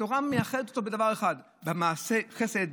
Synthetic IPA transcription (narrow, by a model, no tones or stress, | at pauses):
oʁamejaχedetot̪obe̞davaʁeχad̪ | bemaːseχesed̪